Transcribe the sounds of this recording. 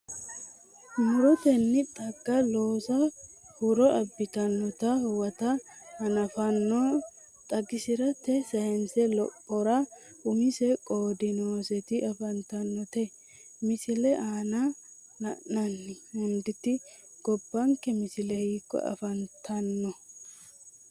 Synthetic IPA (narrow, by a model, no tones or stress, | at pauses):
mʊɾɔt̪ɛnːɪt̪ʼɐɡːɐlo̞ːsɐhʊɾɔʔɐbːɪt̪ɐnːɔt̪ɐhʊwɐt̪ɐhɐnɐfɐnːɔ | t̪ʼɐɡɪsɪɾɐt̪ɛsɐhɛnsɛlɔpʼːɔɾɐ | ʊmɪsɛkʼoːd̪ɪnoːsɛt̪ɪʔɐfɐnt̪ɐnːɔt̪ɛ | mɪsɪlɛʔaːna | nɐnɐnːɪhʊnd̪ɪt̪ɪ | ɡ̥ɔbːɐŋkɛmɪsɪlɛhiːkːɔ̰ɐ̰fɐnt̪ʰɐnːɔ